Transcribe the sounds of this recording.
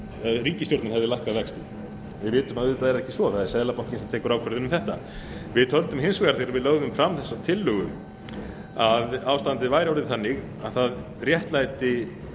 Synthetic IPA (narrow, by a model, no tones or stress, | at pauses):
ɾiːcɪst̪joɾt̪naɾhɛvðɪlajhkaðvɛkst̪ɪ | vɪðvɪːt̪ʏmaðɪt̪aðɛɾɛhcɪsvɔθaðɛɾsɛðlapawŋ̥cɪnsɛmt̪ʰɛːkʏɾaːwkʰɛɾðɪnʏmθɛht̪a | vɪðt̪ʰœlt̪ʏmhɪnsvɛaɾθejɾaɾvɪðlœːɣðʏmfɾamθɛsːat̪ʰɪlːʏɣʏm | aðaːwst̪ant̪ɪvaːjɾawɾɪðθanːɪɣ | aðθað | rjɛht̪lajt̪ɪ